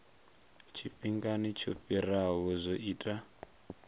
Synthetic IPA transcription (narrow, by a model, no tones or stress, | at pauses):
t͡ʃʰiɸiŋɡanit͡ʃʰoɸiɾaβɔzʷoʔiːtʼa